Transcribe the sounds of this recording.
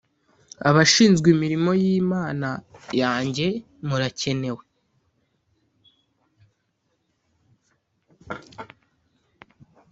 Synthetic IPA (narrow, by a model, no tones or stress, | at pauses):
aβaʃiːnzɡwimiɾimo̞jiːmaːnajaːɲɟe̞ | muɾace̞ne̞we̞